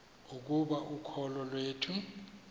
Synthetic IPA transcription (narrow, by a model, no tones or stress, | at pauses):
uk̬ʼuɓaʔukʰɔlɔlweːtʰu